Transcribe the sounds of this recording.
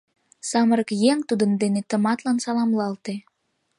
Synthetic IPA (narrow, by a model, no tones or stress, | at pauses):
sɑməɾəkjeŋt̪ud̪ənd̪enet̪ə̆mɑt̪lɑnsɑlɑmlɑlt̪e